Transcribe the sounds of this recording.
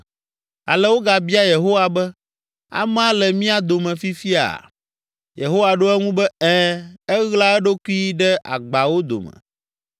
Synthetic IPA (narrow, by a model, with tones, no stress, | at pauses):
a̰˨lɛ˦wo˦ɡa˨bi˦a˦je˨ɦo˦wa˨bɛ˦ | a̰˨m˦ã˦lɛ˨mĩ˦a˦d̪o˨mɛ̃˨fi˦fi˦a̰˨ | je˨ɦo˦wa˨ɖo˦ɛ˦ŋũ˦bɛ˦ɛ˦ɛ˦ɣla˦ɛ˦ɖo˦ku˦i˦ɖɛ˦ʔa̰˨ɡ͡ba˨wo˦d̪o̰˨mɛ̰˨